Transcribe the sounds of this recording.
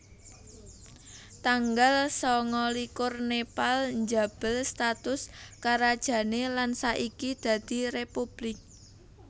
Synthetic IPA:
t̪aŋɡalsɔŋɔlikʊrnepalɲd͡ʒa̤b̥əlst̪at̪ʊskaɾad̥ʒ̥ä̤nelansaʔikid̪̥ä̤d̪̥i̤repub̥lɪk̚

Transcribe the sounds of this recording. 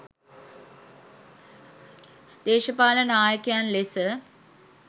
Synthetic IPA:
d̪eːʃəpaːlənaːjəkejanlesə

